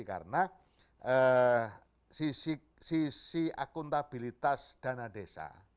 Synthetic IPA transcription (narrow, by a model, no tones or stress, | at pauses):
ka̰ɾəna | ə | sisi | sisia̰kʊnt̪ab̥ilit̪asd̪̥anadesa̰